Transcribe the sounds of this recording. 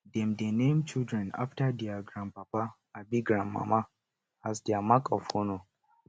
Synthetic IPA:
dɛmdenemt͡ʃɪldɾɛ̃na̰ftadiaɡɾãnpaba | abiɡɾanːa̰ma | azdiamakʼɔfono

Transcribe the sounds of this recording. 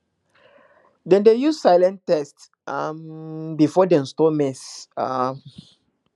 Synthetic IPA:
dɛ̃ndejussaɪlɛ̃ntɛst | ambifɔdɛ̃nstɔmɛsam

